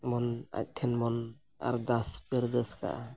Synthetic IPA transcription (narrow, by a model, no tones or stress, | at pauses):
mɔna̰c̚t̪ʰɛnmɔn | a̰ɾd̪aspɛɾd̪əska̰ʔa